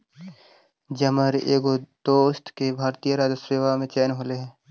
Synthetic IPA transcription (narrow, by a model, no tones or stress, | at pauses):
d͡ʒəməɾeːɡod̪̥oːst̪ʰkebʱaːɾt̪ijəɾaːd͡ʒəsɾeːʋamẽt͡ʃɛːnɦoleɦɛ̃ː